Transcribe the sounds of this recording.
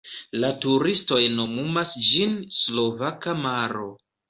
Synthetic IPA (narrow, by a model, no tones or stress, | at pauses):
latuɾisto̞jno̞mumasd͡ʒinslo̞vakamaɾo̞